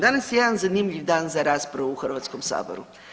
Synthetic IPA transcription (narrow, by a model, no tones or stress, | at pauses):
d̪anəsjɛd̪ənzanimʎʲivd̪anzaɾaspɾɐvuxəɾvat̪skɔmsa̰bo̰ɾu